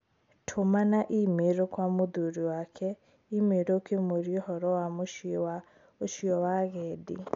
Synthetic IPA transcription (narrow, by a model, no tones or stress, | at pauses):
tʰomanaʔimeɾokwamuduɾiwakʰɛ | imeɾokemoɾjohɔɾɔwamoʃwa | oʃiɔwaɣɛdḭ